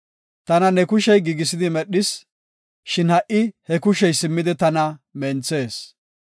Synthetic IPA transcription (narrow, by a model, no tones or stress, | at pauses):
t̪ɐnɐnɛkʊʃɛjɡiːɡɪs̬ɪd̪ɪmɛɗːɪs | ʃɪnhɐʔɪhɛkʊʃɛjsɪmːɪd̪ɪt̪ɐnɐmɛnt͡se̞ːs